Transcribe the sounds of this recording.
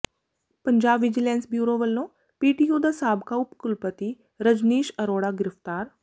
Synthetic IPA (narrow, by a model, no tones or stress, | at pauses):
pəɲd͡ʒaːbʋɪd͡ʒɪlɛːnsbjuːɾoːʋəlːõː | piːʈijuːd̪aːsaːbkaʊpkʊlpət̪i | ɾəd͡ʒniːʃəɾoːɽaɡɪɾɪft̪aːɾ